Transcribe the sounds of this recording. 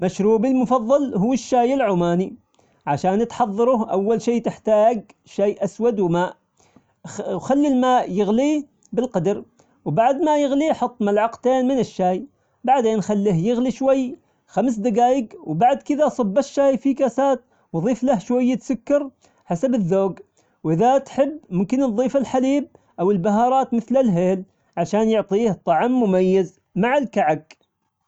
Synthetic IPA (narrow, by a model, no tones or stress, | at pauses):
maʃɾuːbilmʊfɑðˤːɑlhʊːɪʃːaːjɪlʕʊmaːni | ʕaʃaːnɪt̪ħɑðˤːɑɾˤʊʔawːalʃiːt̪ɪħt̪aːɡ | ʃaːjʔaswad̪wmaːʔ | xalːilmaːʔjɪɣli | bɪlqɑd̪ɑɾ | wbaʕd̪majɪɣliħʊt̪ˤːmalʕɑqt̪eːnmɪnɪʃːaːj | baʕd̪eːnxalːiɦjɪɣliʃwajː | xams̬d̪aɡaːjɪɡwbaʕd̪kɪðasˤɨbːaʃːaːjfikasaːt̪̚ | wðˤiːflahʃwajːt̪sʊkːɑɾ | ħasabɪðːoːɡ | wʔɪðat̪ħɪbːmʊmkɪnnðˤiːfɪlħaliːb̚ | ʔawɪlbaɦɑːɾˤɑːt̪mɪθlalɦeːl | ʕaʃaːnjʊʕt̪ˤiːht̪ˤːɑʕmːʊmajːaz | maʕɪlkaʕaɡ